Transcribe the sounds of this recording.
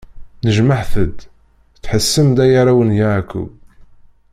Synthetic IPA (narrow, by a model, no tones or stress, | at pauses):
nəʒmaħθəd̪ | t͡sːħəsːəmd̪æjaɾawənjakṵb